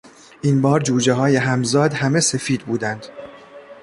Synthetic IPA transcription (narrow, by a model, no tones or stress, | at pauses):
ʔiːnbɒːɾd͡ʒuːd͡ʒeɦɒːjeɦæmzɒːd̪hæme̞se̞fiːd̪̚buːd̪ænd̪̥